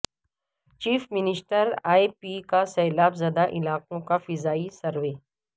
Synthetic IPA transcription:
t͡ʃiːfmɪnɪsʈəɾaːipiːkasɛːlaːbzɐd̪aʔɪlaːqõkafɪzaːisɐɾʋeː

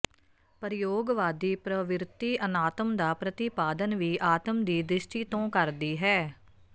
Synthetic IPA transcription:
pəɾɪjoːɡʋaːd̪iːpɾəʋɪɾɪt̪iːʔənaːt̪əmd̪aːpɾət̪ɪpaːd̪ənʋiːʔaːt̪əmd̪iːd̪ɾɪʃʈiːt̪õːkəɾd̪iːɦɛː

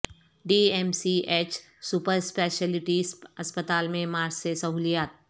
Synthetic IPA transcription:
ɖiːemsieːt͡ʃ | supəɾspeːʃəlɪʈisɐspət̪aːlmẽmaːɾd͡ʒsesɐɦuːlijaːt̪̚

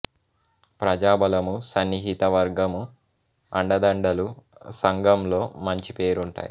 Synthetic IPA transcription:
pɾɐd͡ʒaːbɐlɐmusɐnːiɦit̪ɐʋɐɾɡɐmu | ɐɳɖɐd̪ɐɳɖɐlusɐŋɡɐmlo̞ːmɐɲt͡ʃipe̞ːɾuɳʈa̰ːji

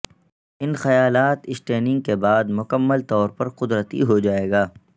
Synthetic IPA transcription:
ɪnxɐjaːlaːt̪ɪsʈeːnɪ̃ŋɡ̚kebaːd̪mʊkəmːəlt̪ɔːɾpɐɾqʊd̪ɾət̪ḭɦod͡ʒaːeːɡaː

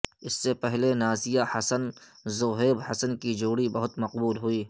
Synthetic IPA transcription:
ɪsːepɛɦlenaːsɪjahɐsən | zoːɦeːbhɐsənkid͡ʒoːɽibɐɦʊt̪mɐqbuːlɦʊiː

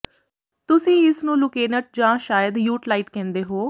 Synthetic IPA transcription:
t̪ʊsĩːɪsnũːlʊkeːnəʈ̚d͡ʒãːʃaːjəd̪juːʈlaːɪʈkɛ̃ːnd̪eːɦoː

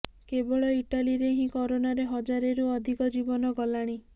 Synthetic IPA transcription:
kebɔɭɔiʈaliɾeɦĩkɔɾonaɾeɦɔd͡ʒaɾeɾuɔd̪ʱikɔd͡ʒibɔnɔɡɔlaɽ̃i

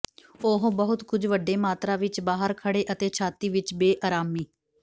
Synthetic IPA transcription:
oɦõbəɦʊt̪kʊd͡ʒʋəɖːeːmaːt̪ɾãːʋɪt͡ʃbaːɦəɾkʰəɽeːʔət̪eːt͡ʃʰaːt̪iːʋɪt͡ʃbeːʔaːɾaːmiː

